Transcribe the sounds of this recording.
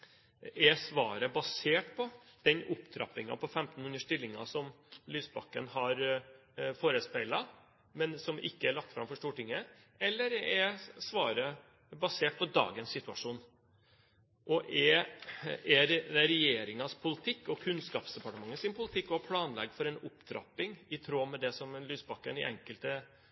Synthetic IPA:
ɛsʋɑːɾəbɑseːʈpʰɔd̪̥ɛnʔʊpd̪ʰɾɑ̰pːɪŋɑ̰pʰɔfɛmt̪n̩ʉnəʂʈɪlːɪŋɑ̰sɔm | lyːsbɑ̰kːənhɑɾ | foːɾəspæɪlɑ | mɛnsɔmʔɪ̰kːəæɭɑk̚t̪fɾɑmfɔʂʈuːʈɪŋːə | ɛlːəɾɛsʋɑːɾə | bɑseːʈ̚pʰɔd̪ɑ̰ːɡənsːɪt̪ʉɑʂuːn | ʔɔʔɛ | ɛd̪ɛɾɛjeːɾɪŋɑspʰʊlɪt̪ʰɪkːɔkʰʉnskɑːpsd̪ɛpɑʈəmɑŋːəsɪnpʰʊlɪt̪ʰɪkːɔɑpʰlɑːnlɛ̰ɡfɔɾɛnʊpːd̪ɾɑ̰pːɪŋɪt̪ʰɾoːmɛd̪ɛsɔmlyːsbɑkːənɪ̰ʔɛ̰ŋkəlt̪ə

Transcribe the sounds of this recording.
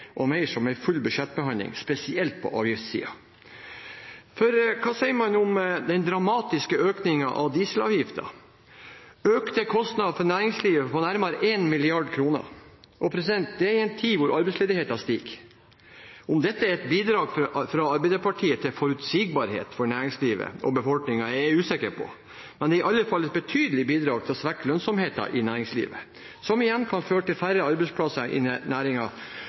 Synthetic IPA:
ʔɔmæɪʂɔmæɪfʉlːbʉʂɛt̪̚ːbəɦɑnlɪ̰ŋspɛsɪɛlt̪̚pʰɔ̰ʔɑ̰ːʋjɪft̪sḭːɑ̰ | fɔɾkʰɑːsɛɪəɾmɑnʊmd̪ɛnd̪ɾɑmɑːt̪ɪskəøːknɪŋɑʔɑʋd̪iːsəlɑ̰ːʋjɪft̪ɑ̰ | øːkt̪əkʰɔst̪nɑd̪ɑfɔɾnæːɾɪŋsliːʋəfɔnæɾmɑɾʔeːnmɪlɪɑɖkʰɾuːnə̰ɾ | ʔɔpʰɾɛsɪd̪ɛnt̪̚d̪ɛæɾɪɛnt̪ʰiːʋʊɾʔɑɾbɛɪsleːd̪ɪheːt̪ɑst̪iːk | ɔmd̪ɛt̪ːəæɾɛt̪biːd̪ɾɑːɡfɾfɾɑɑɾbɛɪd̪əpʰɑʈʰiːət̪ʰɪlfɔɾʉt̪siːɡ̚bɑɾhḛːt̪fɔɾɳæːɾɪŋsliːʋə̰ɔbəfɔlknɪŋɑæʉːsɪkəɾpʰɔ̰ | mɛnd̪ɛɪʔɑlːəfɑlːɛt̪̚bɛt̪ʰyːd̪əlɪbiːd̪ɾɑːɡ̚t̪ʰɪlsʋækːlœnsɔmheːt̪ɑ̰ʔɪnæːɾɪŋslḭːʋə̰ | sɔmɪjɛnkʰɑnføːɾəʈɪlfæɾəɑɾbɛɪspʰlɑsɑʔɪ̰næːɾɪŋɑ

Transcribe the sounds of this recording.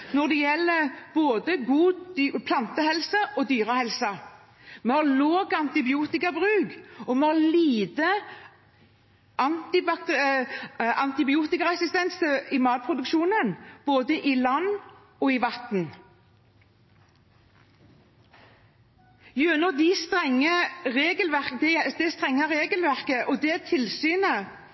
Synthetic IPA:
nɔʁd̪ɛjɛlːəb̥oːd̪əɡuːpʰlɑnt̪əhɛlsəʔɔd̪yːɾəhɛlsɑ | mehɑloːɡɑnt̪ɪbɪuːt̪ɪkɑbʁʉːɡɔmɛhɑliːd̪ə | ɑnt̪ɪbɑk̪ | ɑnt̪ɪbɪuːt̪ɪkəɛsɪst̪ɛnsəɪmɑːl̚pʰʁʊd̪ʉkʃuːnənb̥oːd̪əʔɪlɑnː | ɔɪʋɑt̪n̩ | jʉnɔd̪ɪst̪ʁɛŋːəʁeːɡəlʋæʁkd̪ɛd̪ɛst̪ʁɛŋːəʁeːɡəlʋæʁkəʔɔd̪ɛt̪ʰɪlsyːnə

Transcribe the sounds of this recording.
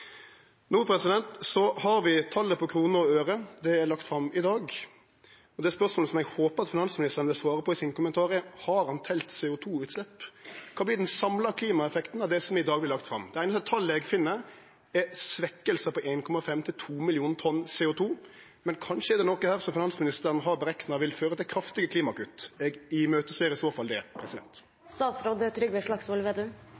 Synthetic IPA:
nuːpʰɾɛsɪd̪ɛnt̪sɔhɑɾʋɪt̪ʰɑlːəpʰɔkʰɾuːnəɾɔøːɾəd̪ɛɛɾlɑkt̪fɾɑmːɪd̪ɑːɡ | ɔd̪ɛspœʁsmoːləsɔmɛɡhoːpəɑt̪fɪnɑnsmɪnɪst̪əʁənəʋɪlsʋɑːɾəpʰɔɪsɪnkʊmənt̪ʰɑːʁəhɑɾhɑnt̪ʰɛlt̪sɛːʊt̪ʰuːʉːt̪slɛpːkʰɑːblɪd̪ɛnsɑmlɑkʰliːmɑɛfɛkt̪n̩ɑʋd̪ɛsɔmɪd̪ɑːɡblɪɾlɑk̚t̪fɾɑ̰md̪ɛæɪnəsɛt̪ʰːɑlːɛɡfɪnːə | ɛsʋɛkːəlsəpɔʔenkʰɔmɑfɛmːt̪ʰɪlt̪ʰuːmɪlɪuːnt̪ʰɔnːsɛːʊt̪ʰuː | mɛnkʰɑnʂəɛd̪ɛnɔkːəhæːɾsɔmfɪnɑnsmɪnɪst̪əɾənəɦɑɾbəɾɛknɑʋɪlføːɾət̪ʰɪlkʰɾɑft̪ɪɡəkʰliːmɑkʉt̪ːɛɡɪmøːt̪əseːɾəɪsoːfɑld̪ɛpʰɾɛsɪd̪ɛ̰nt̪ | st̪ɑːsɾod̪ət̪ʰɾʏɡbæɪʂɭɑksolʋeːd̪øː

